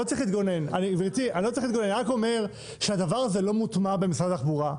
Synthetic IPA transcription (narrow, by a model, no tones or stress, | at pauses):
ot͡sʁiχlit̪ɡo̞nenaniviʁt̪ianilot͡sʁiχlit̪ɡonenʁako̞me̞ʁ | ʃead̪avaʁazelo̞mut̪mabemisʁadaaχbuʁa